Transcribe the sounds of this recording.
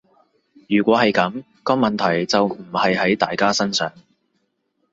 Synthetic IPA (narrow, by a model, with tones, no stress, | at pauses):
jyː˨˩kʷɔː˨˥hɐ˨jkɐ˨˥m | kɔː˧mɐ˨nt̪ʰɐ˨˩jt͡sɐ˨wm̩˨˩hɐ˨jhɐ˨˥jt̪aː˨jkaː˥sɐ˥nsœː˨˥ŋ